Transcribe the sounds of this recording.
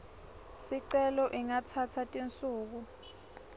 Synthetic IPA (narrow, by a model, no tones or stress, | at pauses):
siǀɛlɔʔiŋatʰatʰatʼint͡sʼuːk̬u